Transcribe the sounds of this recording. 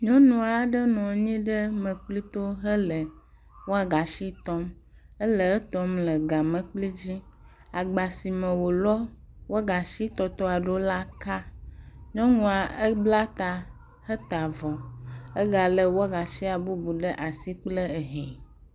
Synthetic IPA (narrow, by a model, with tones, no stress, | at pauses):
ɲɔ̃˦nũ˨a˨˦ɖə˦nɔ̃˨˦ɲĩ˦ɖə˦mə̃˨k͡pli˦t̪o˦ɦə˦lə˨ | wo˦a˨ɡa˨ʃi˦t̪ɔ˦mə˦lə˨ə˦t̪ɔ˦mlə˨ɡa˨mə̃˨k͡pli˦d͡ʑi˦ | a˨ɡ͡ba˨si˨mə̃˨wo˨lɔ˦ | wo˦ɡa˨ʃi˦t̪ɔ˨t̪ɔ˦a˨ɖo˦la˦ka˦ɲɔ̃˦ŋũ˨a˨ə˦bla˦t̪a˨ | hə˦t̪a˨vɔ˨ə˦ɡa˨lə˨wo˦a˨ɡa˨ʃi˦a˨bu˦bu˨ɖə˦ʔa˨si˦k͡plə˦e˨ɦɛ̃˨